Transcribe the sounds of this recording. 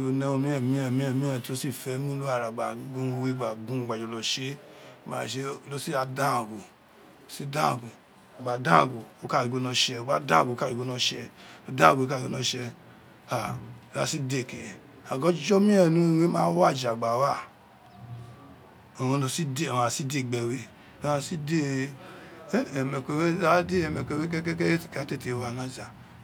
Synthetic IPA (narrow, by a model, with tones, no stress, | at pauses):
o˧nɛ˧o˧mĩ˦ɛ˦˨mĩ˦ɛ˨mĩ˦ɛ˦˨mĩ˦ɛ̃˧˨ti˨˦lo˦si˦˨fɛ˨˦mũ˦lu˦a˦˨ɾa˨ɡ͡ba˨˦ɡũ˦˧we˦ɡ͡ba˨ɡũ˦˨ɡ͡ba˨d͡ʒɔ˨lɔ˨ʃe˨˦˨ma̰˨ʃe˧˦˨lo˦si˦ɾa˧dã˦˨ɡo˨ | si˦dã˦˨ɡo˨ | ɡ͡ba˨dã˦˨ɡo˨o˦ka˦˨i˨ɡo˦nɔ̃˧ʃɛ˧o˨ɡ͡ba˨˦dã˦˨ɡo˨˦ka˦˨i˨ɡo˨˦nɔ̃˧˦ʃɛ˧o˦dã˦˨ɡo˨˦ka˦˨ɡo˦nɔ̃˧˦ʃɛ˧ | a˨ɾa̰˨si˦de˦˨ke˨ | a˨ɡɔ˦d͡ʒɔ˦mi˦ɛ˦˨nu˦˨we˦mã˦wa˦˨d͡ʒa˨ɡ͡ba˨˦wa˦˨ | o˨o˨˧no˨si˦de˦˨a˨si˦de˦˨ɡ͡be˨we˦˨ | a˦˨si˦de˦˨ | me˨ke˨we˦a˦de˦e˨me˨kʷe˨we˦ke˦ke˦ke˦e˦ti̥˨ka˨˦te˦˨te˨wa˨na˦za˨